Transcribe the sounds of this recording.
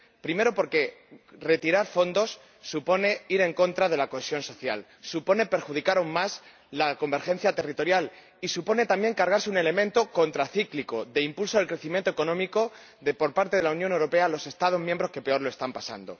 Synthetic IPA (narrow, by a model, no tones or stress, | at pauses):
pɾime̞ɾo̞po̞ɾke̞re̞t̪iɾaɾfo̞nd̪o̞sː | upo̞ne̞iɾe̞ŋko̞nt̪ɾaðe̞lako̞esjo̞nso̞θja̰l | supo̞ne̞pe̞ɾxuð̞ikaɾauŋmas | lako̞mbe̞ɾxe̞n̟θjat̪e̞rit̪o̞ɾjal | isupo̞ne̞t̪ambje̞ŋkaɾɣ̞aɾseune̞le̞mẽnt̪o̞ko̞nt̪ɾaθikliko̞ðe̞impulsoðelkɾe̞θimjẽnt̪o̞eko̞nõ̞miko̞ | ðepo̞ɾpaɾt̪eðelaunjone̞wɾo̞pe̞alo̞se̞st̪að̞o̞zmjembɾo̞ske̞pe̞o̞ɾloest̪ampasa̰nd̪o̞̰